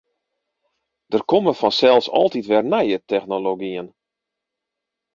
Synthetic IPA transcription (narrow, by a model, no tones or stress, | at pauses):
d̥ərkoməfɔnsɛlˠsɔ̰lˠtitʋɛrnɛjətʰɛxnoloɡiən